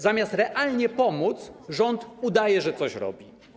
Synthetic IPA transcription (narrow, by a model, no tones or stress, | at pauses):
zamʲast̪ɾɛʔalɲɛpɔmut̪sʐɔnt̪ud̪ajɛʐɛt̪sɔɕɾɔ̰bʲi